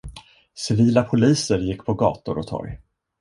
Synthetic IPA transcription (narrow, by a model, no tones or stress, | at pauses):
sɪviːlapʰʊliːsəɾjɪkːpʰɔɡɑ̰ːt̪ʊɾɔt̪ʰɔ̰ɾj